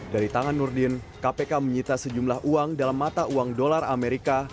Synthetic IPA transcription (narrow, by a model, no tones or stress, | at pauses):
daɾit̪aŋanːurdɪn | kapekaməɲit̪asəd͡ʒumlaɦʔuaŋdalamːat̪auaŋdolarameɾika